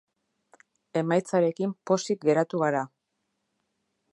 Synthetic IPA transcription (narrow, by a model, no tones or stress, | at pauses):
e̞majt͡saɾe̞kimpo̞sik̚ɡe̞ɾat̪uɣaɾa